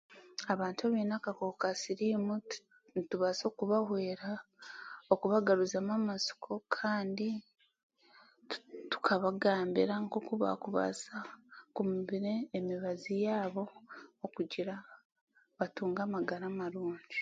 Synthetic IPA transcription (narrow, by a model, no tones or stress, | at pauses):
aβaːntaβinakakokasiɾimu | ntuβazo̞ːkuβaɦwe̞ːɾa | okuβaɡaɾuzamamazi̥kʰo̞kʰaːndi | tu̥kʰaβaɡaːmbḭɾaŋɡokuβa̰kuβa̰zakumiβiɾeːmiβazijaːβo̞ːkuɟiɾa | βatuːŋɡamaɡaɾamaɾuːɲɟi